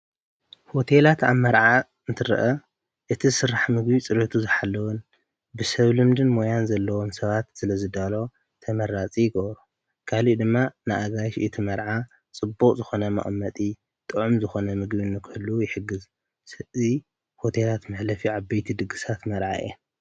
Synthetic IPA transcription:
ho̞t̪ʰelat̪a̰βmːɐɾʕa | ɨnt̪ʰɨɾʔɐ | ʔɨt̪ʰisɨɾaħmɨɡbit͡sʼɨɾet̪ʰuzɨħalːɐwun | bɨsɐβlɨmd̪ɨnmojanzɐlːɐwo̞msɐβat̪sɨlɐzɨd̪alo̞ | t̪ʰɐmɐɾat͡sʼijɪɡɐβɾu | kʰalid̪ɨmːanɨʔaɡajʃɨt̪ʰimɐɾʕa | t͡sʼɨbːokʼzɨxo̞nɐmɐ̰χʼmːɐt̪ʼi | t̪ʼɨʕumzɨxo̞nɐmɨɡbinːɨkʰɨhɨlːujɪħɨɡːɨz | sɐzi | ho̞t̪ʰelat̪mɨħlɐfiʕaβbɐjt̪ʰid̪ɨɡɨsat̪mɐɾʕa̰ʔe

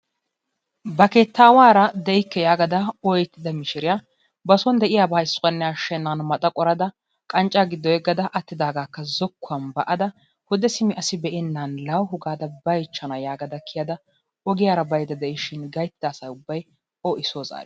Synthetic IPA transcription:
bɐkeːt̪ːaːwaːɾɐd̪ɛɪkːɛjaːɡɐd̪ɐɔjɛt̪ːɪd̪ɐmɪʃɪɾɪja | bɐsɔnd̪ɛʔɪjaːbɐjɪsʊkʼɐnːɛjaːʃɛnːanmɐt̪ʼɐkʼɔɾɐd̪ɐ | kʼɐnt͡ʃʼːaːɡɪd̪ːɔjɛɡːɐd̪ɐʔɐt̪ːɪd̪aːɡaːkːɐzɔkːʊɐnbɐʔɐd̪ɐ | hʊd̪ɛsɪmɪʔɐsɪbɛʔɪnːanlɐwɦʊɡaːd̪ɐbɐjt͡ʃːɐnɐjaːɡɐd̪ɐkʰːɪjad̪ɐ | ɔɡɪjaːɾɐbɐjd̪ɐd̪ɛʔɪʃɪnɡɐjt̪ːɪd̪ɐːsɐjʊbːɐj | ɔʔɪsoːza̰ːɾ

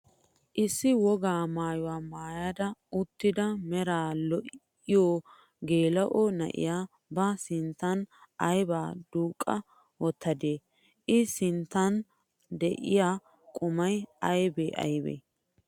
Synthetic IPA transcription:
ʔɪsːɪwɔɡaːmaːjʊwaːmaːjaːd̪ɐʊt̪ːɪd̪ɐmɛɾaːlɔʔ | ɪjoː | ɡeːlɐʔɔnɐ̰ʔɪ̰jaː | bɐsɪnt̪ːɐnɐjbaːd̪uːkʼːɐ | wɔt̪ʰːɐd̪eː | ʔɪsɪnt̪ːɐn | d̪ɛʔɪ̰jaː | kʼʊmɐjɐjbḛːʔɐ̰jbḛː

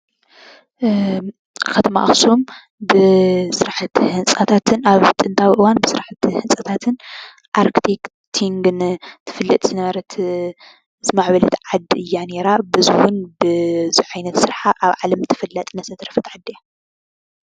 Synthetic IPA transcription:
kʰɐt̪ʰɐma̰ʔxsom | bɨsɨɾaħɨt̪hɨnsʼɐt̪ʰat̪ʰɨnaβt̪ʼɨnt̪ʰawiʔɨwanbɨsɨɾaħat̪hɨnsʼɐt̪ʰat̪ʰɨn | ʔaɾkt̪ʰek | t̪ʰiŋɡɨnt̪ʰɨ̥fɨlːɐt̪ʼz̥ɨnɐβɐɾɐt̪ʰ | zmaʕβɐlɐt̪ʕad̪ːiʔɨjːane̞ɾabɨzɨwʊnbɨziʕajnɐt̪sɨɾħaʔaβʕalɐmt̪ʰɨ̥fɨlːɐt̪ʼnɐsɐt̪ʰɾɐfɐt̪ʕad̪ɨja

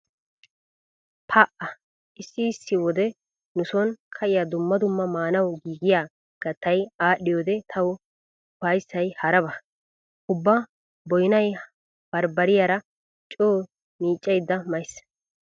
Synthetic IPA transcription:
pʰaːʔɐ | ʔɪsːɪːsːɪwɔd̪ɛ | nʊsɔnkʰɐʔɪjad̪ʊmːɐd̪ʊmːɐmaːnɐwɡiːɡɪjaː | ɡ̥ɐt̪ːɐjaːɗːɪjoːd̪ɛt̪ʰɐw | pɐjsːɐjhɐɾɐbɐ | ʊbːa | bɔjnɐj | b̥ɐɾbɐɾɪjaːɾɐ | t͡ʃʼoː | niːt͡ʃʼːɛjd̪ːɐmɐjs

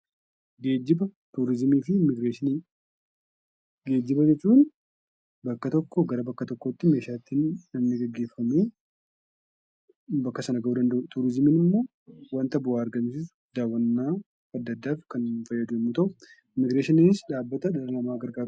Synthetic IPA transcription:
ɡeːd͡ʒːɪbɐt̪uːɾɪzmiːfɪmɪɡɾeːʃɪni | ɡe̞ːd͡ʒːɪbɐd͡ʒɛt͡ʃːuːn | bɐkːɐt̪ɔkːɔɡɐɾɐbɐkːɐt̪ɔkːoɪt̪ːɪme̞ːʃaːt̪ːinːɐnːɪɡɐɡːe̞ːfːɐme̞ː | bɐkːɐsɐnɐɡɐʔuːd̪ɐnd̪ɐʔut̪uːɾɪzmiːnɪɪmːo̞ː | wɐnt̪ɐbʊaːɐɾɡɐmsisʊ̥d̪aːwːɐnːaː | ɐd̪ːɐd̪ːaːfkɐnfɐjːɐd̪ʊɪmːʊt̪ɐʔʊ | mɪɡɾeːʃɪnɪnɪsᶑaːbːɐt̪ɐᶑɐlɐlɐmaːɡɐɾɡaːɾ

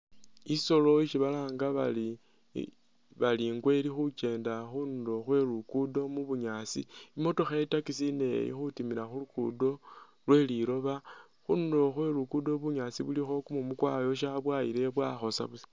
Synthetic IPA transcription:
iso̞lo̞iʃiβalaːŋɡaβa̰li | βaliːŋɡwe̞lixut͡ʃe̞ːndaxunudo̞xwe̞ɾukudo̞muβuɲaːt͡sḭimo̞to̞xatakisine̞̰jḭxutimiɾaxulukṵdo̞ | lwe̞liɾo̞βa | xundo̞xwe̞ɾukudo̞βuɲat͡siβulixo̞kumumukwajo̞ʃaβwajiɾe̞βwa̰xo̞sa̰βusi̥

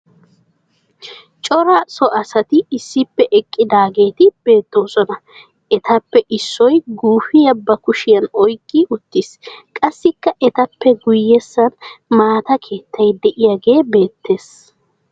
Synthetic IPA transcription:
t͡ʃʼɔɾɐsɔʔɐsɐt̪ɪɪsːɪpːɛʔɛkʼːɪd̪aːɡe̞ːt̪ɪb̥e̞ːt̪ːo̞ːsɔnɐ | ʔɛt̪ʰɐpːɛʔɪsːɔjɡuːfɪjɐbːɐkʊʃɪjɐnɔjkʼːɪʊt̪ːɪskʼɐsːɪkːɐʔɛt̪ɐpːɛɡʊjːɛsːɐnmaːt̪ɐkʰe̞ːt̪ːɐjd̪ɛʔɪjaɡe̞ːbe̞ːt̪ːe̞ːs

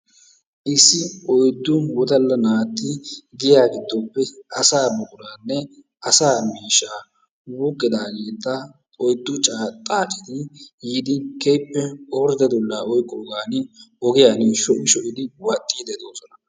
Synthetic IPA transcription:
ʔɪsːɪʔɔjd̪ːʊwɔd̪ɐlːɐnaːt̪ːɪɡɪjaːɡɪd̪ːɔpːɛʔɐsaːbɔkʼʊɾaːnːɛ | ʔɐsaːmiːʃːaː | wukʼːɪd̪aːɡe̞ːt̪ːɐ | ɔjd̪ːʊt͡ʃʼaːt̪ʼaːt͡ʃʼɪ̥t̪ɪjiːd̪ɪkɛjpːɛoːɾd̪ɐd̪ɔlːaːʔɔjkʼːoːɡaːnɪɔɡɪjaːniːʃːɔʔɪʃɔʔɪd̪ɪwɐt̪ʼːiːd̪ɛd̪oːsɔnɐ

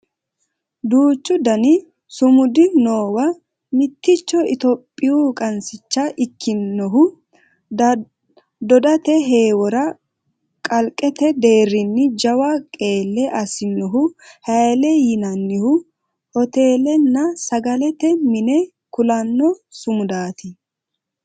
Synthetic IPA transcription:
d̪uːt͡ʃːʊd̪ɐnɪ | sʊmʊd̪ɪnoːwɐ | mɪt̪ːɪt͡ʃːɔɪt̪ɔpʼːɪjukʼɐnsɪt͡ʃːɐʔɪkːɪnːɔɦʊ | d̪ɔd̪ɐt̪ɛɦeːwɔɾɐ | kʼɐlkʼːɛt̪ɛd̪e̞ːrːɪnːɪd͡ʒɐwakʼe̞ːlːɛʔɐsɪnːɔɦʊhɐjlɛjɪnɐnːɪhʊ | hɔt̪e̞ːlɛnːɐsɐɡɐlɛt̪ɛmɪnɛ | kʊlɐnːɔsʊmʊd̪aːt̪ɪ

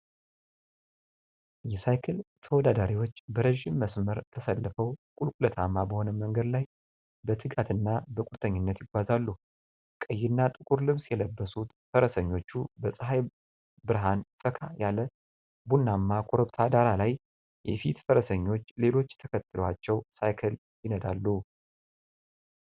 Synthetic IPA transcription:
jɛsajkʰɛlt̪ʰəwɔd̪ad̪aɾiwo̞t͡ʃːbəɾəʒɪmːəsməɾt̪ʰəsəlːəfəwkʼulkʼulət̪ʰamːabəho̞nəməŋɡəd̪laj | bət̪ʰɨɡat̪ʰɨnːabəkʼuɾt̪ʰʼəɲːɪnːət̪jɪɡʷazalːu | kʼəjːɪnːat̪ʼɨkʼuɾlɨβsjɛləbːəsut̪fəɾəsəɲːo̞t͡ʃːubəsʼɨɦaj | bɨɾɦanfəkʰajalə | bunːamːakʰoɾoβt̪ʰad̪aɾalaj | jɛ̰fḭt̪fəɾəsəɲːo̞t͡ʃːle̞lo̞t͡ʃːt̪ʰəkʰət̪ʰːɨləwat͡ʃːɛwsajkʰəl | jɪnəd̪a̰lːu

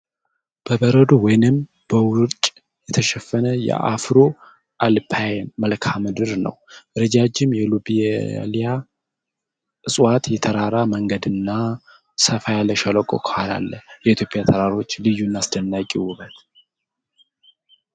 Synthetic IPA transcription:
b̥əbəɾəd̪owɔjnɨm | b̥əwʊɾt͡ʃʼ | jɛt̪ʰəʃɛfːənəjɛ̰ʔa̰fɾo | ʔalpʰajməlkʰamɨd̪ɨɾnə̰wɾəd͡ʒad͡ʒɪmjɛlubḭlija | ʔɨsʼwat̪jɛt̪ʰəɾaɾaməŋɡəd̪ɨnːa | səfajaləʃaləkʼo̰kʰəhala̰lːəjɛʔit̪ʰjo̞pʼjat̪ʰəɾaɾo̞t͡ʃːlɨjːunːasd̪ənːakʼiwʊbət̪

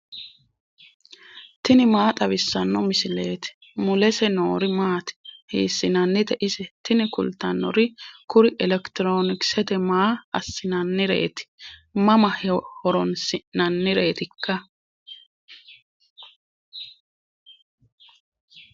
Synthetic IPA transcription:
t̪ɪnɪmaːt̪ʼɐβɪsːɐnːɔmɪsɪle̞ːt̪ɪ̥ | mʊlɛsɛnoːɾɪmaːt̪ɪ̥hiːsːɪnɐnːɪt̪ɛʔɪsɛt̪ɪnɪkʊ̰lt̪ɐnːɔ̰ɾɪkʊɾɪʔɛlɛkt̪ɪɾo̞ːnɪksɛt̪ɛmaːɐsːɪnɐnːɪɾḛːt̪ɪ̥mɐmɐhhɔɾɔnsɪnɐnːɪɾe̞ːt̪ɪkːɐ

